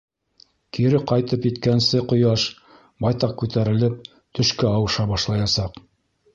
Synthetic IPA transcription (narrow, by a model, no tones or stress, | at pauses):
kiɾɘqɑjt̪ɤpjɘ̆t̪kænsɘqŏjɑʃ | bɑjt̪ɑq̚kʉt̪æɾɘ̆lɘp̚ | t̪ɵ̆ʃkæɑwɤʃɑbɑʃlˠɑjɑsɑq